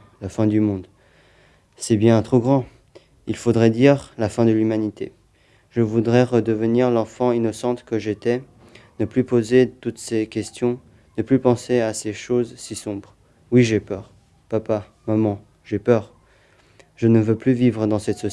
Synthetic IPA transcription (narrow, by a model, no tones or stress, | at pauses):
lafɛ̃d̪ymɔ̃d̪ | sɛbjɛ̃t̪χoɡʁɑ̃ | ilfod̪ʁɛd̪iʁlafɛ̃d̪əlymanit̪e | ʒəvud̪ʁɛʁəd̪əvəniʁlɑ̃fɑ̃inɔsɑ̃t̪kəʒet̪ɛ | nəplypozet̪ut̪sekʲɛst̪jɔ̃ | nəplypɑ̃seaseʃozsisɔ̃bʁ | wiʒepœːʁ | papa | mamɑ̃ | ʒepœʁ | ʒənəvøplyvivʁəd̪ɑ̃sɛt̪sɔ